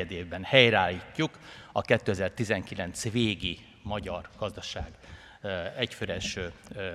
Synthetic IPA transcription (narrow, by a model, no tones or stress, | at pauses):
ɛd̪eːvbɛnhɛjraːlːiːcːukɒkɛt̪ːøɛzɛrt̪izɛŋkilɛnt̪sveːɡi | mɒɟɒrɡ̥ɒzd̪ɒʃaːɡ | ɛcføɾɛʃøː